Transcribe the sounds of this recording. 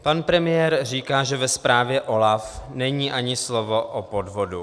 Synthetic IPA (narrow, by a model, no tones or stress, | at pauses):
panpɾɛmɪjɛɾriːkaːʒɛvɛspɾaːvjɛʔo̞lafnɛɲiːʔaɲɪslovo̞ʔopo̞dvo̞du